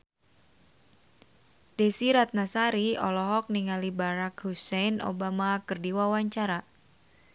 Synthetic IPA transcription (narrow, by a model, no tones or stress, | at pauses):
desiɾat̪̚nasaɾiɔlɔɦɔk̚niŋalibaɾakhusɛjno̰bamakɨrdiwawaɲt͡ʃaɾa